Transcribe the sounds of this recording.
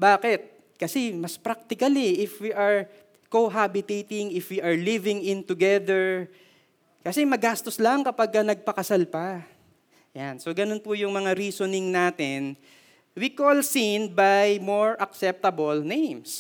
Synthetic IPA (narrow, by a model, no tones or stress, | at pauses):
baːkɛt̪̚ | kɐsɛmɐspɾak̚t̪ɪkɐliʔɪfwiʔɐɹ | koɦabɪt̪ejt̪ɪŋɪfwiʔɐɹlivɪŋɪ̃nt̪ʊɡɛd̪ɛɹ | kɐsɛmɐɡast̪oslaŋkɐpaɡ̚kɐnɐɡ̚pɐkɐsalpɐ | jansoɡɐno̞npʊjʊŋmɐŋaɾiːsonɪŋnaːt̪ɪn | wikolsinbajmoɹʔɐk̚sɛp̚t̪ɐbolnejms